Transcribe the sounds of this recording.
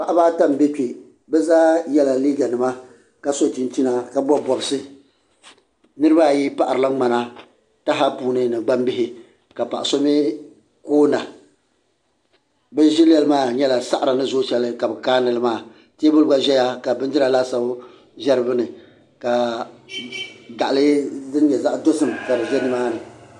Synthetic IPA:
pa˨ʔa˦baː˦ta˦m˦be˦ke˨ | bɛ˦zaː˦jɛ˦la˨liː˦ɡa˨nɨ˨ma˦ | ka˨so˦ti˦n˦ti˦na˨ka˨bɔ˦bɔ˨bɨ˨sɨ˦ | nɨ˦ɾɨ˦baː˦˨ji˦pa˨ʔa˨ɾɨ˨la˦ŋ͡ma˨na˦ | ta˦ɦa˦puː˦nɨ˦nɨ˨ɡ͡ba˦mbɪ˦hɪ˦ | ka˨pa˨ʔa˨so˦mi˦ | koː˦na˨ | bɛ˦n˦ʒɪ˦lɛ˦lɨ˦maː˦˨ɲɛ˦la˨sa˦ʔa˨ɾa˨nɨ˦zoː˦t͡ʃɛ˨lɨ˦ka˨bɛ˨kaː˦nɨ˨lɨ˦maː˦˨ | te˦bʊ˦lɡa˦ʒɛ˦ja˦ka˨bɨ˦n˦d͡ʒɪ˦la˨la˦sa˨b | ʒɛ˦ɾɨ˦bɨ˦nɨ˨ | ka˨ | ɡa˨ʔa˨lɨ˦zɨ˦n˦ɲɛ˨za˦ʔdo˦sɨ˦˨m˨ta˨ɾɨ˨ʒɛ˦nɨ˦maː˦nɨ˨

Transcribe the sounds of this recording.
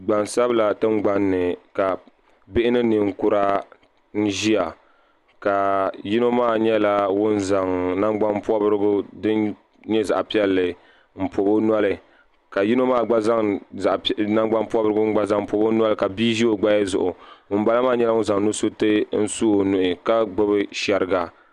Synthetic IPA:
ɡ͡ba˨nsa˦bɨ˦la˨tɨ˦ŋ͡mɡ͡ba˨nːɨ˨ka˨ | bɪ˦ʔɪ˦nɨ˦nɨ˨ŋ̩˨ku˦ɾa˦ | n̩˦ʒi˦a˨ | ka˨ji˦no˦maː˦˨ɲɛ˦la˦wʊ˦nza˨ŋna˦ŋɡ͡ba˦mpɔ˦bɾɨ˦ɡʊ˦dɨ˦n | ɲɛ˦za̰˨ʔpi˦ɛ˦lːɨ˨ | m̩˨po˨bo˦n˦a˦lɨ˨ | ka˨ji˦no˦maː˦˨ɡ͡ba˦za˦ŋ˨ | na˦ɡ͡ba˦npɔ˦bɨ˦ɾɨ˦ɡʊ˦ŋ͡m̩˦ɡ͡ba˦za˦ŋm̩˨po˨bo˦n˦a˦lɨ˨ka˨biː˦ʒi˦o˦ɡ͡ba˦ja˦zʊ̰˨ʔʊ˨wʊ˨n˦ba˦la˦maː˦˨˦ɲɛ˦la˦wʊ˦n˦za˨ŋnu˦so˦tɨ˦n̩˦su˦o˨nʊ˨ʔɪ˨ka˦ɡ͡bɨ˦bɨ˦ʃɛ˨ɾɨ˦ɡa˨

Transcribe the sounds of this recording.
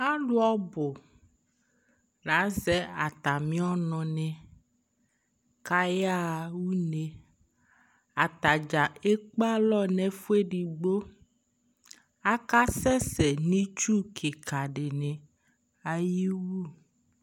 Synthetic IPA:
a˦ɖu˦ɔ˦bo˨ | nã˨˦zɛ˦a˨t̪a˨mĩ˦ɔ˦nɔ̃˨nɛ̃˨ | ka˦ja˦wu˦ne˨ | a˨t̪a˨d͡ʒa˨e˦k͡pa˦lɔ˦nɛ̃˨fu˦e˦ɖi˨ɡ͡bo˦ | a˦ka˦sɛ˦sɛ˨nĩ˦t͡ʃu˦kʰe˨ka˨ɖe˨nɛ̃˨ | a˨ji˦wu˦

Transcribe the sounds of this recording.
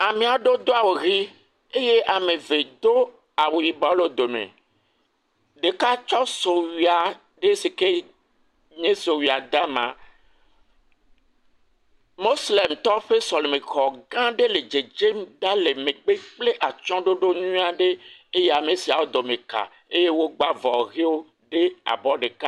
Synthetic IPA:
a˨mẽ˨a˨ɖo˦d̪o˦a˨wo˨ɣi˦ | e˦je˦ʔa˨mẽ˨ve˨d̪o˦ | a˨wo˨ji˨ba˦lo˦d̪o˨mḛ˨ | ɖe˨ka˦t͡ʃɔ˦so˨wi˨a˨ | ɖe˦si˨ke˦ | ɲẽ˦so˨wi˨a˨d̪a˦mã̰˨ | mo˦sle˨mt̪ɔ˦ɸe˦so˨lo˨mi˨kxɔ˨ɡã˦ɖe˦le˨d͡ʒe˨d͡ʒe˦md̪a˦le˨mẽ˨ɡ͡be˦k͡ple˦ʔa˨t͡ʃɔ̃˦ɖo˦ɖo˦nũ˦a˨ɖe˦e˦je˦a˨me˨si˨a˨wo˦d̪o˨mẽ˨ka̰˨ | e˦je˦wo˦ɡ͡ba˦vɔ˨ɣe˦wo˦ | ɖe˦a̰˨bɔ˦ɖe˨ka˦

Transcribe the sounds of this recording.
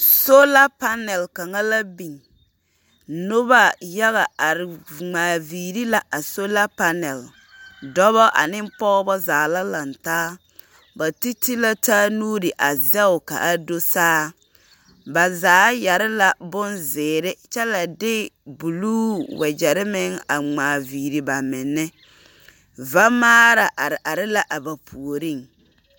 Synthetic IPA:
so˦la˦pa˦nɛ˨lka˨ŋa˦la˦bi˨ŋ | nʊ˦βa˦ja˦ɣa˨a˨ɾɪ˨ŋ͡maː˨viː˨ɾi˦la˨ʔa˨so˦la˦pa˦nɛ˨l | dɔ˦βɔ˦ʔa̰˨nɪ˦m˦pɔ˦bɔ˦zaː˨la˦la˨ntaː˦ | ba˨ti˦ti˦la˦taː˦nuː˦ɾɪ˨ʔa˨zɛ˦ʊ˨ka̰˨ʔa˦do˦saː˦ | ba˨zaː˨˦ja˨ɾɪ˦la˨bʊ˦nzɪː˨ɾɪ˦t͡ʃɛ˦la˨dɪ˦bu˨luː˦wɛ˨d͡ʒɛ˨ɾɪ˦mɪ˦ŋa̰˨ŋ͡maː˨viː˨ɾi˨ba˨mɪ˨nːɪ˦ | va˦maː˦ɾa˨ʔa˨ɾɪ˨ʔa˨ɾɪ˦la˦ʔa˨ba˨pʰu˨o˨ɾi˦˨ŋ

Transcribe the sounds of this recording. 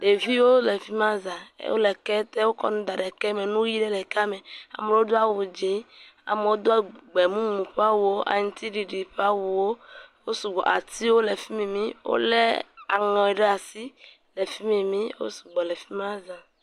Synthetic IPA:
ɖe˨vi˦wo˦le˨fi˦mã˦za̰˨˦wo̰˦lɛ˨kɛ˦t̪ɛ˦wo˦kɔ̰˦nũ˦d̪a˨ɖɛ˨kɛ˦me˨nũ˦ji˦ɖe˦lɛ˨ka˦me˨a̰˨me˨wo˦d̪o˦a˨wu˨d͡ʒe˨˦a̰˨me˨wo˦d̪o˦a˨ɡ͡bɛ˨mũ˦mũ˨ɸa˦wu˨o˦ʔa̰˨ɲĩ˦t̪i˦ɖi˨ɖi˨ɸa˦wu˨wo˦wo˦su˨ɡ͡bɔ̰˨ʔa˨t̪i˦wo˦le˨fi˦me˨mĩ˦wo̰˦lḛ˦a̰˨ŋɔ̃˨ɛ˨ɖɛ˦a˨si˦ | le˨fi˦mẽ˨mĩ˦wo̰˦su̥˨ɡ͡bɔ˨le˨fi˦mã˦zã˨

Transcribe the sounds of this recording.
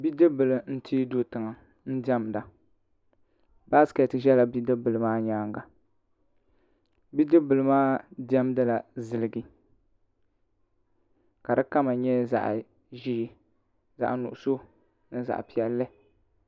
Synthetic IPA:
bi˦dɨ˦bɨ˨lɨ˨n̩˦ti˦do˨tɨ˨ŋa˨ | n̩˦dɛ˦m˨da˨ | ba˦skɛ˨tʒɛ˦la˨bi˦dɨ˦bɨ˨lɨ˨maː˦ɲaː˦ŋɡa˨ | bi˦dɨ˦bɨ˨lɨ˦maː˦dɛ˦m˦dɨ˦la˨zɨ˨lɨ˨ɡi˦ | ka˨dɨ˦ka˦ma˨ɲɛ˦za̰˨ʔ | ʒi˦ | za̰˨ʔnṵ˨ʔʊ˨so˦ | nɨ˦za̰˨ʔpi˨ɛ˦lːɨ˦

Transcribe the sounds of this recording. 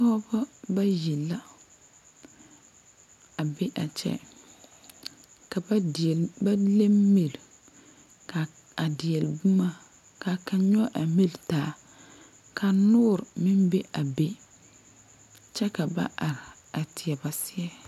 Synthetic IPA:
tɔ˦ba˦ba˦ji˨la˦ | a˨be˦ʔa˨t͡ʃɛ̰˦ | ka˨˦˨ba˦le˦mme˨l | ka˨ | a˨dɪ˨ɛ˨lbu˦ma˦ | ka˨ka˨ɲɔ˦ʔa˨mi˦ltaː˨˦ | kʰa˨nʊː˦˨ɾɪ˨mɪ˦mbe˦ʔa˨be˦ | t͡ʃɛ˦ka˨ba̰˦ʔa˨ɾɪ˨ | a˨tɪ˨ɛ˨ba˨sɪ˦ɛ˦

